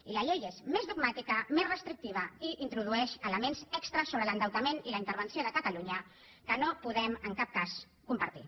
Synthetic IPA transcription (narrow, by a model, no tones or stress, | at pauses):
iləʎejezmezðuɡ̚mat̪ikəmezrəst̪ɾik̚t̪iβ̞əiʔint̪ɾuð̞uɛʃələmenzɛkst̪ɾəsoβɾələnd̪əwt̪əmeniləint̪əɾβ̞ənsioðəkət̪əluɲə | kənopuðɛməŋkap̚kas | kumpəɾt̪ḭ